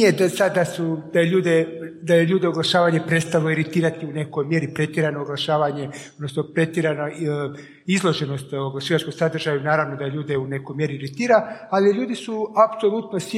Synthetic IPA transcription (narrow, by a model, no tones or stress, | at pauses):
jed̪sad̪ːasud̪ajeʎuːd̪ed̪ajeʎuːd̪eoɡlˠaʃaːʋaɲepɾe̞t̪st̪alˠoiɾit̪iːɾat̪iune̞kojmje̞ɾipɾe̞t̪jeɾanoːɡlˠaʃaːʋaɲe̞od̪nosnopɾe̞t̪jeɾano | izlˠo̞ʒe̞no̞st̪ooɡlaʃiʋat͡ʃko̞msad̪r̩ʒajunaːɾaʋnod̪ajeʎuːd̪eune̞kojmje̞ɾiiɾit̪iːɾaaliʎuːd̪isuapso̞lˠut̪no̞s